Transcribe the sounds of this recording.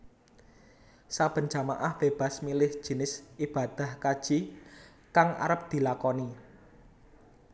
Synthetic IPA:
sab̥ə̤n̥d͡ʒ̥a̤maʔahb̥eb̥a̤smilɪhʒ̥i̤nɪsʔib̥a̤d̪̥a̤hkad̥ʒ̥i | kaŋa̰ɾəp̚d̪̥i̤lakɔni

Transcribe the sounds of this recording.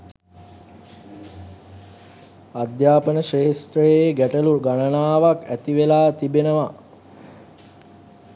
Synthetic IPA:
ad̪jaːpənəʃeːst̪ɾəjeɡæʈəluɡanənaːʋakæt̪iʋelaːt̪ibenəʋa

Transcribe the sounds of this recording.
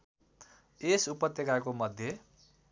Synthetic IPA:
esupʌt̪ːjekakomʌd̪ʱːje

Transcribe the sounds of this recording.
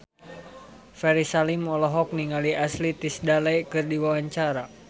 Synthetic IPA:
fɛɾisalimɔlɔɦɔk̚niŋaliaslit̪isdalajkɨrdiwawaɲt͡ʃaɾa

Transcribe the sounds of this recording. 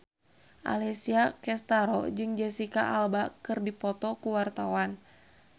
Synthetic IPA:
ʔa̰lɛsiakɛst̪aɾɔ̰d͡ʒɨŋd͡ʒɛsika̰ʔalbakɨrdipɔt̪ɔkuwart̪awan

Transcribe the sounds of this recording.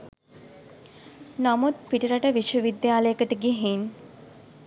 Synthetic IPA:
namut̪̚piʈiɾəʈəʋiʃwəʋid̪jaːləjəkəʈəɡiɦin

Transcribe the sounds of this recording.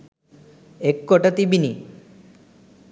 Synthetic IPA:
ekːoʈat̪ibini

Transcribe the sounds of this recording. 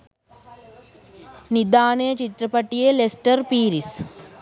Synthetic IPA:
nid̪aːɳɐjɐt͡ʃit̪ɾɐpɐʈːijelesʈɐɾpiːɾis

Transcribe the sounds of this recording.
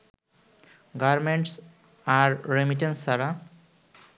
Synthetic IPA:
ɡaɾmẽɳʈs | aɾɾemiʈẽnsaɾa

